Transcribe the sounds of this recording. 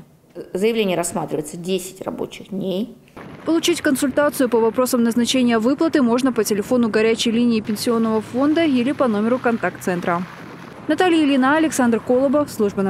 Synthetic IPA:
zəjɪvlʲenʲɪjəɾɐsmat̪ɾʲɪvəjɪt̪sədʲesʲɪ̥tʲrɐ̰bo̞̰t͡ɕɪxdnʲej | pəlˠʊt͡ɕitʲkənsʊlʲt̪at̪sɨjʊpəvɐpɾo̞səmnəznɐt͡ɕenʲɪjəvɨplˠət̪ɨmo̞ʐnəpətʲɪlʲɪfo̞nʊɡɐɾʲæt͡ɕɪjlʲinʲɪːpʲɪnʲsʲɪo̞nːəvəfo̞nd̪əilʲɪpɐno̞mʲɪɾʊkɐnt̪ak̚t̪sɛnt̪ɾə | nɐt̪alʲɪjɪlʲɪnaɐlʲɪksand̪rkolˠəbəfslˠuʐbən

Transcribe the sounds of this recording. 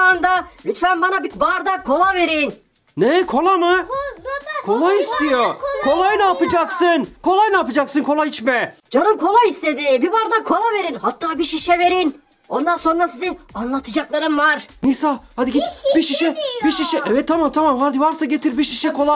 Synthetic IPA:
and̪aɾʲyt̪fænbanabibaɾd̪akʰo̞lˠave̞ɾin | nɛkʰo̞lˠamɯ | kʰo̞lˠajist̪ijokʰo̞lˠajɯnaːpɯd͡ʒaksɯnkʰo̞lˠajɯnapɯd͡ʒaksɯnkʰo̞lˠajit͡ʃmɛd͡ʒanɯmkʰo̞lˠajist̪e̞d̪ɪbibaɾd̪akʰo̞lˠave̞ɾinhat̪ːaːbiʃiʃɛve̞ɾin | o̞nd̪anso̞nɾasizinanlˠat̪ʰɯd͡ʒaklˠaɾɯmvaɾnisalˠhad̪iɡit̪biʃiʃɛbiʃiʃɛʔɛvɛt̪ʰːamamt̪ʰamamhaɾd̪ivaɾsaɟet̪ʰiɾbiʃiʃɛkʰo̞lˠa

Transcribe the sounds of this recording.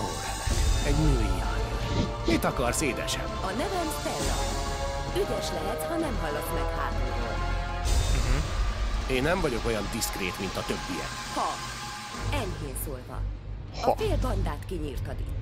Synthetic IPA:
oːlɛlɛk̪ɛɟnøːiɲːa̰n | mit̪ɒkɒrseːd̪ɛ̰ʃɛ̰mɒnɛvɛmsɛlːɒ̰ | yd̪ɛʃlɛɦɛt̪hɒnɛmɦɒlːot̪mɛkha̰ːt̪o̰ | ɦ̩ | eːnːɛmɱvɒɟo̞ko̞jɒnd̪iskreːt̪mint̪ɒt̪ø̞bːijɛ̰k | hɒ | ɛɲɦeːnsoːlvɒ̰ | ɒfeːlbɒnd̪aːt̪kiɲiːrt̪ɒd̪ḭk

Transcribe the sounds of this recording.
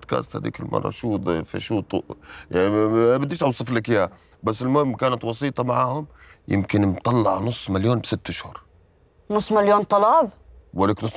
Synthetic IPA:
d̪ka̰ːst̪ha̰d̪ḭːkɪlmʔɑ̰rˤːɑ̰ʃuːd̪ˤfḭʃuːt̪ˤʔjanibad̪ːiːʃʔɑwsˤɨflakja | basːɪlmʊhɪmːkaːnat̪wɑsˤiːt̪ˤɑmaʕaːhʊmjɪ̰mkɪnmt̪ˤɑlːɑʕnʊsˤːmaljoːnbsɪt̪ːɪʃhʊɾ | nʊsˤːmaljoːnt̪ˤɑlɑːbwalaːknʊsː

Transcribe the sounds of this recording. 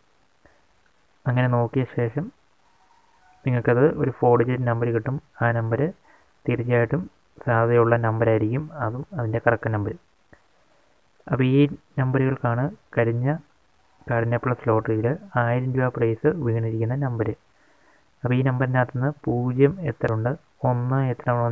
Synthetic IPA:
ɐŋːɐne̞no̞ːkːijɐɕe̞ːʂɐm | niŋːɐɭkɐðɨʔo̞ɾufo̞ːɽid͡ʑɐɾnɐmbɐɾɨkiʈːumaːnɐmbɐɾɨ | t̪iɾit͡ɕːaːjiʈːum | saːd̪ɐðɐjuɭːɐnɐmbɐɾaːjiɾikʲːumɐðumɐðinde̞kɐrɐkːɐnɐmbɐɾu | ɐpːoiːnɐmbɐɾuɣɐɭkaːɳɨkɐɾiɲːɐ | kaɽɐnːɐpːɐɭːɐslo̞ːʈːijilɨaːjiɾɐnduaːprɐjsɨʋiːɳiɾikʲːunːɐnɐmbɐɾɨ | ɐpːɐiːnɐmbɐɾinaːt̪ːɐnːɨpuːd͡ʑjɐmet̪ːrɐuɳɖɨ | o̞nːɨet̪ːrɐmuɳɐ

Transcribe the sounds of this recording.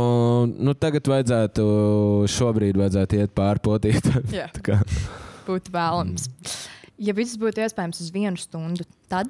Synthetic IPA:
nut̪aɡat̪vajd̪zæːt̪uʃuɔbɾiːd̪vajd̪zæːt̪iɛt̪̚pɑːɾput̪iːt̪ʰaat̪akaːb̥uːt̪væːlˠams | javissbuːt̪uiɛspɛːjmsuzʋiɛnust̪und̪ut̪ad̪̚

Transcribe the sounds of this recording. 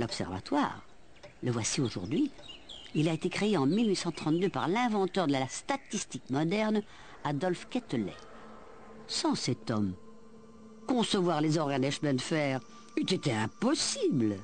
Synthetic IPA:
lɔpsɛ̰ʁva̰t̪wa̰ʁ | ləvwasioʒṵʁd̪ɥi | ilaet̪ekχeeɑ̃milɥisɑ̃t̪χɑ̃t̪d̪øpaʁlɛ̃vɑ̃t̪œʁd̪əlast̪at̪ist̪ikmɔd̪ɛʁn | ad̪ɔlfkʲɛt̪lɛ̰ | sɑ̃sɛt̪ɔm | kɔ̃səvwaʁlezɔʁanɛʃmɛ̃d̪fɛːʁ | yt̪et̪eɛ̃pɔsibl

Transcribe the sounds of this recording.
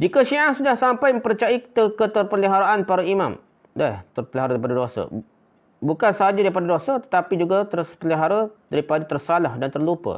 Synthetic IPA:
d͡ʒikaʃiʔahsudahsampajmə̃mpəɾt͡ʃait̪əkət̪ərpəliɦaɾaʔanpaɾaimã̰m | daht̪ərpəliɦaɾadaɾipadadosa̰ | bukansəɦad͡ʒadaɾipadadosət̪ə̥t̪apid͡ʒuɡat̪ərspəliɦaɾadaɾipadat̪ərsalahdant̪ərlupə̰

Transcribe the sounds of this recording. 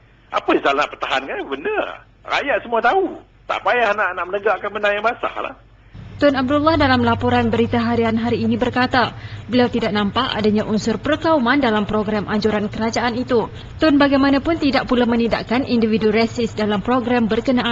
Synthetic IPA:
ʔa̰pəisalnaʔpərt̪aɦankabənə | ra̰jaʔsəmuat̪au | t̪a̰ʔpajahnaʔanaʔmənəɡaʔkanmənajamasa̰hla̰h | t̪ʊnab̚dulːɑhdalamlapɔɾanbəɾit̪aɦaɾianɦaɾiːnibərkat̪abəliawt̪idaʔ̚nampaʔa̰daɲaʔunsʊrpərkaumandalampɾoɡɾamʔaɲd͡ʒuɾankəɾad͡ʒaʔanit̪u | t̪ʊnbaɡajmanapʊnt̪idaʔpulamənidaʔkanʔindividuɾɛsɪsdalampɾoɡɾambərkənaʔan

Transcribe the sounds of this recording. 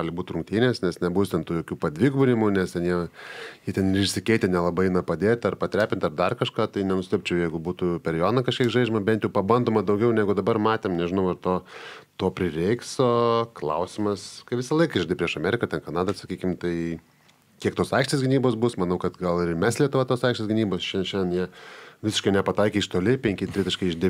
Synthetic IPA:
ɡlʲɪbuːt̪ʲrʊŋkt̪ʲiːnʲeːsnʲɛsnʲɛbuːst̪ʲɛnt̪uːjoːkʲuːpɐd̪ʲʋʲɪɡbʊɾʲɪmʊnʲɛst̪ʲɛnjiɛjit̪ʲɛnɪɾɪʃʲsʲɪkʲɛɪt̪ʲɪtnʲɛlˠɐbɐɪnɐpɐd̪ʲeːt̪ʲɐrpɐt̪ʲɾʲæːpʲɪnʲt̪ɐrd̪ɐrkɐʃkɑːt̪ɐɪnʲɛnʊsʲɪt̪ʲɛp̚ʲt͡ʃʲɛʊjɛɪɡʊbuːt̪upʲɛɾjoːnɐkɐʃkʲiɛkʒɐɪd͡ʒʲɛmɐbʲɛnt̪jɛʊpɐbɐnd̪oːmɐd̪ɐʊɡʲɛʊnʲæːɡʊd̪ɐbɐrmɑːt̪ʲeːmnʲɛʒʲɪnɐʊɐrt̪oːt̪oːpʲɾʲɪrʲɛɪksoːklˠɐ̰ʊsʲɪmɐskɐɪʋʲɪsɐlˠɐɪkɐɪʒʲd̪ʲɪpʲɾʲiɛʃɐmʲɛːɾʲɪkɐt̪ʲɛnkɐnɑːd̪ɐsɐkʲiːkʲɪmt̪ɐɪ | kʲiɛkt̪oːsɐˑɪkʃʲt̪ʲeːsʲɡʲɪnʲiːboːsbʊsmɐnɐʊkɐt̪ɡɐlˠɪmʲæslʲiɛt̪ʊʋʲɛt̪oːsɐɪkʃʲt̪ʲesɡʲɪnʲiːboːsʃʲɛnʃʲɛnʲdʲnjiɛʋʲɪsʲɪʃkɐɪnʲɛpɐt̪ɐɪkʲeːʃt̪oːlʲɪpʲɛŋʲkʲɪt̪ʲɾʲɪsʲɪʃkɐɪɪʒʲd̪ʲɪ

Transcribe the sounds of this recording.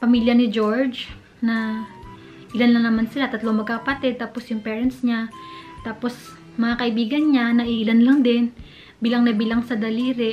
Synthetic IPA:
pɐmiːljɐnɪd͡ʒo̞ɹd͡ʒ | nɐ | ʔɪlanlɐŋnɐmansɪlat̪ɐt̪loŋmɐɡ̚kakɐpɐt̪ɛd̪̚t̪aːpo̞sjʊŋpɛːɹɐnt̪sɲat̪aːpo̞s | mɐŋakɐʔɪbiːɡɐnɲanɐʔiʔɪlanlɐŋd̪ɛn | biːlɐŋnɐbilɐŋsɐd̪ɐliːɾɛ

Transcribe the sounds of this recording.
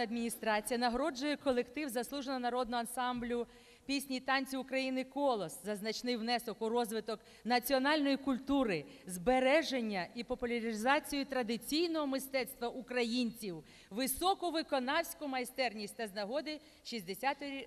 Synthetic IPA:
ɐd̪mʲinʲist̪ɾɑt͡sʲijɐnɐɦɾɔd͡ʒʊjɛkɔlˠekt̪ɪwzɐslˠuʒenɔnɐɾɔd̪nɔɐnsɑmblʲʊ | pʲisʲnʲit̪ɑnʲt͡sʲiʊkɾɐjinɪkɔlˠɔszɐznɐt͡ʃnɪjwnɛsɔkʊɾɔzʋɪt̪ɔk | nɐt͡sʲiɔnɑlʲnɔjikʊlʲt̪uɾɪzbeɾɛʒenʲːɐipɔpʊlʲɐɾʲizɑt͡sʲijʊt̪ɾɐd̪ɪt͡sʲijnɔɦɔmɪst̪ɛt̪st̪ʋɐʔukɾɐjinʲt͡sʲiw | ʋɪsɔkʊʋɪkɔnɑwsʲkʊmɐjst̪ɛrnʲisʲtʲt̪ɐznɐɦɔd̪ɪ | ʃizʲd̪esʲat̪

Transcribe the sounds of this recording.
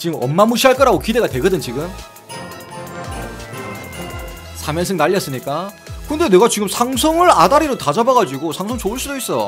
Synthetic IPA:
t͡ɕiɡɯmʌmːamuɕʰiɦaɭk͈ʌɾaɡokide̞ɡatwe̞ɡɯdɯnt͡ɕiɡɯm | sʰamjʌnsʰɯŋnaʎːʌs͈ɯmɲik͈a | kɯɯnde̞neɡat͡ɕiɡɯmsʰaŋsʰʌŋɯɾadaɾiɾotad͡ʑabaɡad͡ʑiɡosʰaŋsʰʌŋt͡ɕouɭs͈udois͈ʌ

